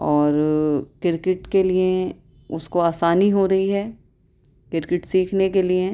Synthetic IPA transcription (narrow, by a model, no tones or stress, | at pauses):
ɔːɾkɪɾkɪʈkelie | ʊskoaːsaːniɦoɾɐɦiɦɛː | kɪɾkɪʈsiːkʰnekelie